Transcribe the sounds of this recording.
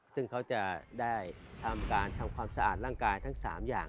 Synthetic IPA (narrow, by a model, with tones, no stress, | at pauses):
sɯ˥˩ŋkʰa˦˥wt͡ɕa˨˩daː˥˩jt̪ʰa˧mkaː˧nt̪ʰa˧mkʰwaː˧msa˧ʔa̰ː˨˩t̪̚ɾaː˥˩ŋkaː˧jt̪ʰa˦˥ŋsa̰ː˩˦mjaː˨˩ŋ